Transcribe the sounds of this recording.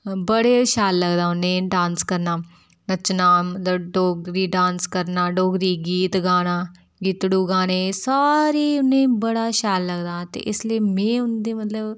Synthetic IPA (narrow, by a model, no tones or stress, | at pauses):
bəɽeːʃaːlːəɡd̪aːʊnːẽːɖãːnskəɾnaː | nət͡ʃnaːməɖoːɡɾiːɖãːnskəɾnaːɖoːɡɾiːɡiːt̪ɡaːnaː | ɡiːt̪ɽuːɡaːneːsaːɾeːʊnẽːbəɽaːʃaːlːəɡd̪aːt̪ḛːʔɪslieːmɛ̃ːʊnd̪eːmət̪ləb